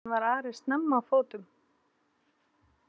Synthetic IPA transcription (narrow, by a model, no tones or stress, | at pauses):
vaɾaːɾɪ̥st̪nɛmːafoːwt̪ʏm